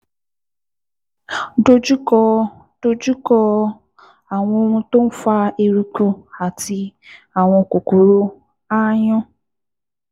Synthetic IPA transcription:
do˦d͡ʒu˦kɔ˦˧ | d̥o˦d͡ʒu˦kɔ˦ | a˨ŋ̃ʷɔ˦o˦ŋũ˦to˦n̩˦fa˦e˦ɾu˦ku˦a˨ti˧˦ | a˨ŋʷɔ˨ko˨ko˨ɾo˦ | a˦ɲɔ̃˦

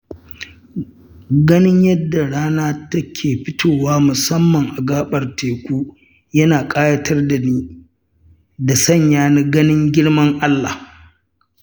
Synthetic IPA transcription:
ɡɐ˦nɪ˦ɲjɐ˦dːa˨ɽaː˦naː˦tɐ˦kʲʰeː˨ɸɪ˦tʰoː˨waː˦mʊ˨sɐ˦mːɐ˨ŋʔa˨ɡaː˦ɓɐ˨rteː˨kʷuː˦ | jɐ˦naː˨kʼaː˦jɐ˦tʰɐ˦rda˨niː˦ | da˨sɐ˦˨ɲjaː˦na˦ɡɐ˦nɪ˦ŋɡʲɪ˦ɽmɐ˦ŋʔa˦lːa̰˨h

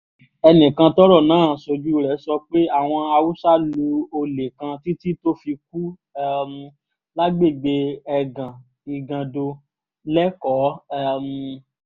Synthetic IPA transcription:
ɛ˧nĩ˨kã˧tɔ˦ɾɔ˦˨nãː˦˨so˧d͡ʒu˦˨ɾɛ˨˦sɔ˧k͡pe˦a˦˨w̃ɔ̃˧a˧wu˦sa˦lu˧o˧le˨kã˧ti˦ti˦to˦fi˧k̚u˦ | ɛ˦m˧ | la˦ɡ͡be˦˨ɡ͡be˧ɛ˧ɡã˨ | i˨ɡã˨do˧ | lɛ˦kɔ˨˦ɛ˦˧m̩˧

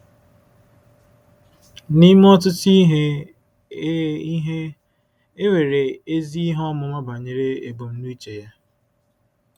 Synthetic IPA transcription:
ni˦m˦ɔ˦tʊ˦ti˦ɦe˦ | i˦ɦe˦ | e˦we˨ɾe˨e˦zi˦i˦ɦɔ˦mʊ˨ma˦ba˨ɲe˨ɾe˦ḛ˨bo˨m̩˦nu˦i˦t͡ʃe˨ja˦

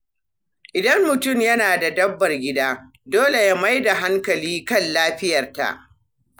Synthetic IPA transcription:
ʔɪ˨dɐ˦mːʊ˨tʊ˦˨mjɐ˦naː˨da˨dɐ˦bːɐ˨rɡʲɪ˦daː˦ | doː˦le˨ja˦ma˦jda˨ɦa˦ŋkɐ˨liː˦kɐ˦˨nlaː˦ɸɪ˦jɐ˨rta̰˨ʔ

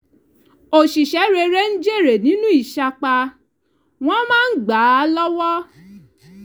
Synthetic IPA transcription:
o˨ʃi˨ʃɛ˨˦ɾe˧ɾe˦n̩˦d͡ʒe˦˨ɾe˨nĩ˨˦nũ˦i˦˨ʃa˧k͡pa˧ | w̃ɔ̃˦mãː˦n̩˦ɡ͡ba˨˦lɔ˦wɔ˦

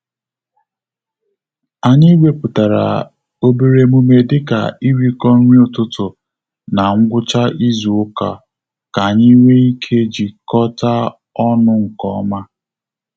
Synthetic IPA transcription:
a˨ɲi˦we˦pʊ˨ta˨ɾa̰˨ | o˦be˨ɾe˨mu˦me˨dɪ˦ka̰˨i˦ɾi˦kɔ˦n̩˦ɲʷi˦ʊ˨tʊ˦tʊ˨ | na˨ŋ̩˦ɡʷʊ˦t͡ʃa˦ʔi˦zu˨ʊ˦ka̰˨ | ka˨ɲi˦we˦i˦kʰe˦d͡ʒi˨kɔ˦ta˦ | ɔ˦nʊ˦ŋ̩˨kɔ̰˦ma˦

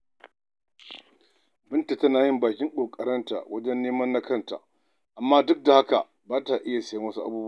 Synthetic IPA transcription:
bɪ˦nta˨tɐ˦naː˨jɪ˦mbaː˨kʲɪ˦ŋkʼoː˨kʼɐ˨ɾɐ˦nta̰˨wɐ˦d͡ʒɛ˦nːeː˦mɐ˦nːa˦kɐ˦nta̰˨ | ʔa˨mːaː˦dʊ˦k̚da˨ha˦ka̰˨ | baː˦ta˨ʔɪ˦ja˨sɐ˨ji˦wɐ˦su˦ʔa̰˦buː˦b

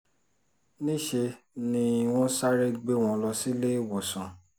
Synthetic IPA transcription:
nĩ˦ʃe˧ | nĩ˧˦˧w̃ɔ̃˦sa˦ɾe˦ɡ͡be˦w̃ɔ̃˧lɔ˧si˦le˦˨wɔ˨sã˨

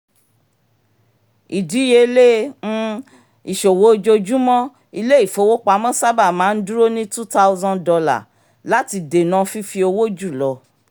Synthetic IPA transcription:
i˨di˨˦je˧lẽ˦ | i˨ʃo˨wo˦˧d͡ʒo˧d͡ʒu˦mɔ̃˦ | i˧le˦i˦˨fo˧˦wo˦k͡pa˧˦mɔ̃˦sa˦ba˦˨mãː˨˦n̩˦du˦ɾo˦nĩ˦tu˦ta˦wzɔ̃˦ndɔ˧la̰˨ | la˦ti˧de˨nã˧fi˦fi˧o˧wo˦d͡ʒu˦˨lɔ˨˧

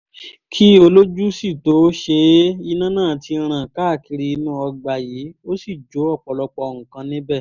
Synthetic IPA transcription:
kʰi˦o˧lo˦d͡ʒu˦si˦˨to˨˦ʃe˧i˧nã˦nãː˦˨tʰi˧ɾ̃ã˨ka˦˨ki˧ɾi˧i˧nũ˦ɔ˧ɡ͡ba˨jiː˨˦o˦si˦˨d͡ʒo˨˦ɔ˦˨k͡pɔ˨lɔ˧k͡pɔ˧ɔ˧˨ŋũ˨kã˧nĩ˦bɛ˦˨

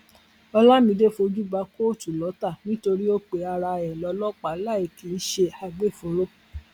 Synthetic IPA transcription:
ɔ˧la˦mĩ˧˦de˦fo˧d͡ʒu˦ba˧˦ko˦˨tu˨lɔ˨˦ta˦˨nĩ˦to˧ɾi˦o˦k͡pe˨a˧ɾa˧ɛ˨lɔ˨˧˦lɔ˦k͡pa˨˦la˦˨i˨ki˨˦ʃe˧a˧ɡ͡be˦˨fũ˨˦ɾo˦

